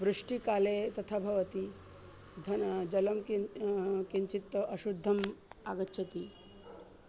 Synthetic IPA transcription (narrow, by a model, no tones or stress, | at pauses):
ʋɾuʂʈikaːlet̪ɐt̪ʰabʱɐʋɐt̪i | d̪ʱɐnd͡ʒɐlɐmkikiɲt͡ʃit̪ːɐʔɐʃud̪ʱːɐma̰ːɡɐtːɕʰɐt̪i